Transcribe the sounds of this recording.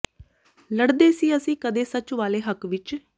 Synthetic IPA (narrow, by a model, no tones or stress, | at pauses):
ləɽd̪eːsiːəsĩːkəd̪eːsət͡ʃʋaːleːɦəkʋɪt͡ʃ